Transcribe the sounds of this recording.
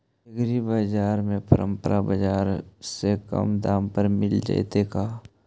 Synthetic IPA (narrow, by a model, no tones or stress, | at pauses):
ɡɾibəd͡ʒaːɾmẽpəɾə̃mpəɾʔabəd͡ʒaːɾsekə̰md̪aːmpəɾmɪld͡ʒa̰it̪ekaː